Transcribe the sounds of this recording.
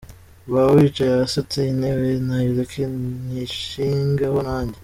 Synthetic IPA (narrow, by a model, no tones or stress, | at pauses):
βawiːt͡ʃajaasot͡seinewenajuɾekʰeniʃiːŋɡahonaːɲɟe